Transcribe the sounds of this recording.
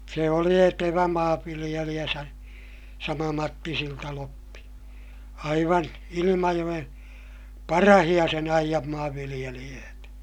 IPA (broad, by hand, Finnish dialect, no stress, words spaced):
se oli eteʋæ mɑːʋːilij̆elij̆æ sɑ sɑmɑ mɑtːi siltɑlopːi ɑiʋɑn ilimɑjoj̆en pɑrɑhij̆ɑ sen ɑijɑm mɑːʋːilij̆elij̆øːtæ